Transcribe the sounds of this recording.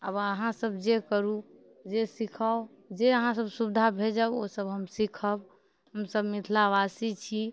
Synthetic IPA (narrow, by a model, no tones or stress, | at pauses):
əbəɦãsəbd͡ʒekəɾu | d͡ʒesikʰao | d͡ʒeəɦãsəbsubd̪ʱabʱed͡ʒəosəbɦəmsikʰəb | ɦəmsəbmit̪ʰlaʋasit͡ʃʰi